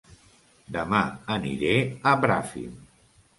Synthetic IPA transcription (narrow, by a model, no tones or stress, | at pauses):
d̪əmaənḭɾeəbɾafḭm